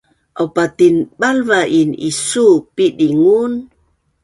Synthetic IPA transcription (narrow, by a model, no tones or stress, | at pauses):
ʔawpat̪inɓalvaʔinḭsupidiŋun